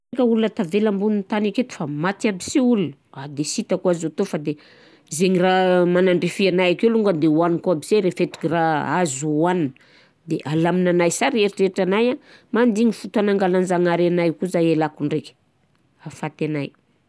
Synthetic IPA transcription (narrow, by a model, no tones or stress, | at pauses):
kəulunət̪avelambunint̪aniket̪u̥famat̪iabisiulunəad̪esit̪akuazot̪ofad̪e | zeɲiramanaɳɖ͡ʐefianajakeluŋɡad̪ewanikuabizeɾefeʈ͡ʂi̥kiraazuaninə | d̪eʔalaminanajsaɾieɾiʈ͡ʂeiʈ͡ʂanajamand̪iŋifut̪anaŋɡalanzaŋaɾanajkuzajelakuɳɖ͡ʐekʲi̥ | afat̪anaj